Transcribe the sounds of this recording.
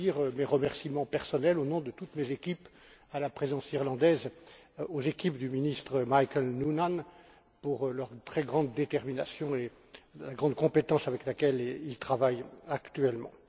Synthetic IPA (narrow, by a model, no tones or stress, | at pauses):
iʁmeʁəmɛʁsimɑ̃pɛʁsɔnɛlonɔ̃d̪ət̪ut̪mezekʲip | alapχezɑ̃siʁlɑ̃d̪ɛzozekʲipd̪yminist̪χəmajkɛlnunan | puʁlœʁt̪χɛɡʁɑ̃d̪ːet̪ɛʁminasjɔ̃e | laɡʁɑ̃d̪kɔ̃pet̪ɑ̃savɛklakɛlilt̪χavajakt̪yɛlmɑ̰̃